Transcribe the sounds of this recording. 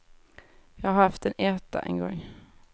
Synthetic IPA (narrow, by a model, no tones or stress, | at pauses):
jɑːhahaɾhaft̪ɛneːt̪a̰ʔɛ̰nɡɔ̰ŋː